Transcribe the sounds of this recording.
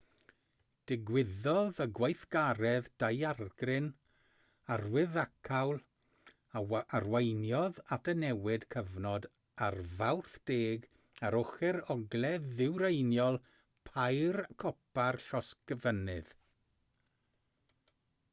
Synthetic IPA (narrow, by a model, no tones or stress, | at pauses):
d̥ɪɡwɪðɔðəɡwejθɡ̥aɾɛðd̥ajarɡ̥rɪn | arwɪðakʰawlˠ | arwejnjɔðatʰənɛwɪd̥kʰəvnɔd | arvawrθd̥eːɡ | aɾʊχɛɾɔɡlˠɛðɪwɾejnjɔlˠ | pʰajrkʰɔpʰarɬɔskəvənɨð